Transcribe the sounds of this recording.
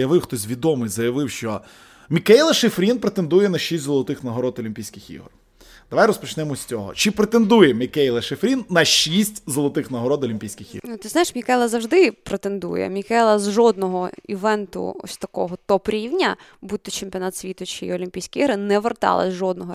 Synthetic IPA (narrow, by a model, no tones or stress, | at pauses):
jɐʋɪwxt̪ɔsʲʋʲid̪ɔmɪjzɐjɐʋɪwʃt͡ʃɔ | mʲikɛjlˠɐʃefɾʲinpɾet̪end̪ujɛnɐʃisʲtʲzɔlˠɔt̪ɪxnɐɦɔɾɔt̪ɔlʲimʲpʲijsʲkʲɪxḭɦr | d̪ɐʋajɾɔspɔt͡ʃnɛmɔsʲt͡sʲɔɦɔ̰t͡ʃɪpɾet̪end̪ujɛmʲikɛjlˠɐʃefɾʲinːɐʃisʲtʲzɔlˠɔt̪ɪxnɐɦɔɾɔd̪ɔlʲimʲpʲijsʲkʲɪxḭnut̪ɪznajɪʂmʲikɛjlˠɐzɐwʐd̪ɪpɾet̪end̪ṵjɛ̰mʲikɛlˠɐzʒɔd̪̚nɔɦɔḭʋɛnt̪ʊ̰ɔ̰sʲt̪ɐkɔɦɔt̪ɔpɾʲiwnʲɐbut̪ʲːɔt͡ʃemʲpʲiɔnɑt̪sʲʋʲit̪ʊt͡ʃɪiɔlʲimʲpʲijsʲkʲiiɦɾɪnɛʋert̪ɑ̰lˠɐ̰zʲʒɔd̪̚nɔɦɔ